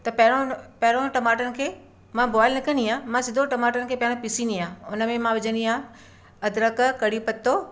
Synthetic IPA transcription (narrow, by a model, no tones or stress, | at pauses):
t̪ɐpɐɦɪɽ̃õpɐɦɪɽõʈɐmaːʈənɪ̆kʰeː | mãbɔːɪlnɐkɐ̃nd̪iãːmãsɪd̪ʱoʈɐmaːʈənɪ̆kʰeːpɐɦɪɽ̃õpɪsiniãːʊnə̆mẽmãʋɪd͡ʑʱə̃nd̪iãː | ɐd̪ɾəkkɐɽipɐt̪ːo